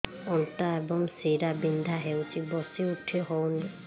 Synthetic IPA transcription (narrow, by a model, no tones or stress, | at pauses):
ɔntaebɔŋsiɾabind̪ʱaɦewt͡ʃibɔsiuʈʰiɦɔwni